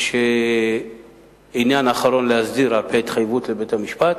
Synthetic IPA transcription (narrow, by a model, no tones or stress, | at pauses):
ʃe | injanaχaɾo̞nlehazdiɾalpʰeːt̪χajvutle̞bethamiʃpat̪